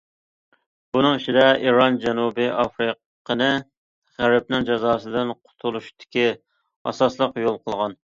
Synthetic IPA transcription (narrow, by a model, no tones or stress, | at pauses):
bunɨŋiʃid̪ɛiɾɑnd͡ʒɛnubɨʔɑfɾɨq | qʰənɨ | ʁæɾp̚nɪŋd͡ʒɑzɑːsɨd̪ɪnqʰʊ̥t̪ʰulˠuʃt̪ʰɪ̥kʲi | ɑ̰sɑslˠəqjolˠqʰəlˠʁɑn